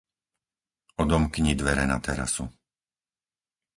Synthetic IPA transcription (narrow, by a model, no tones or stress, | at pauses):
ɔd̪ɔmkɲid̪ʋɛɾɛnat̪ɛɾa̰su